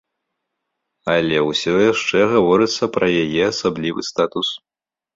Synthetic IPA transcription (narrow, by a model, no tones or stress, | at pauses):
alʲɛwsʲɔjaʂt͡ʂɛɣavɔɾɨt̪sːɐpɾʔɐjajɛasablʲivɨ̰st̪at̪us